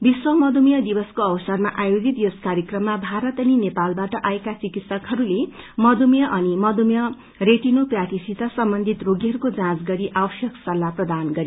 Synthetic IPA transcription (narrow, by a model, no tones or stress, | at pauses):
biswʌmʌd̪umjʌd̪ibʌskoʌwʌsʌrmaʔajod͡zit̪joskaɾjʌkrʌmːabʱaɾʌt̪ʌninepalbaʈʌʔaekat͡sikit̪sʌkɦʌɾule | mʌd̪umjʌʔʌnimʌd̪umjʌ | reʈinoprat̪isit̪ʌsʌmbʌnd̪ʱit̪roɡiɦʌɾukod͡zãt͡sɡʌɾiʔawʌsjʌksʌlːaprʌd̪anɡʌɾi